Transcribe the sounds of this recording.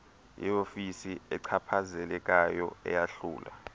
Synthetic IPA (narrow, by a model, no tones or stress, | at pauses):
jḭofisiɛǀʰapʰazɛlɛk̬ʼajɔ̰ɛ̰jaɬuːla̰